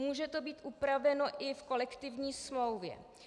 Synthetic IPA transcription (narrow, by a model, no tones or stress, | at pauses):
muːʒɛt̪o̞biːt̪ʔupɾavɛno̞ʔɪfko̞lɛkt̪ɪvɲiːsmlo̞wvjɛ̰